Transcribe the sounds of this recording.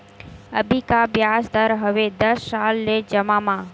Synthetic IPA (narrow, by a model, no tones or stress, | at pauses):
ə̰bʱikabjaːsd̪əɾɦəʋed̪əssːaːlːed͡ʒəmãmãː